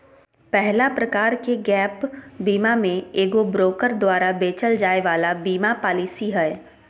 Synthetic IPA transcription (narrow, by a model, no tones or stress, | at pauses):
pɛɦlapɾɐkaːɾkeɡɛːpbiːmamẽeːɡobɾoːkəɾd̪waːɾabeːt͡ʃəld͡ʒaːeʋaːlabiːmapaːlisiɦɛː